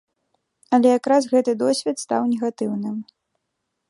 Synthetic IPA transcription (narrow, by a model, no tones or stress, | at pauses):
ɐlʲɛjakɾasɣɛt̪ɨd̪ɔsʲvʲɛt̪st̪awnʲɛɣat̪ɨwnɨm